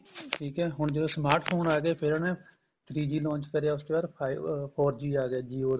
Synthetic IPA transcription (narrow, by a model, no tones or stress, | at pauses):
ʈʰiːkɛːɦʊɳd͡ʒəd̪oːsmaːɾʈpʰoːnaːɡeːpʰɪɾnɛ | t̪ʰɾiːd͡ʒiːlɔ̃ːnt͡ʃkəɾejaːʊsʈ̪oːaːɾpʰaipʰoːɾd͡ʒiːaːɡaːd͡ʒiːoːd̪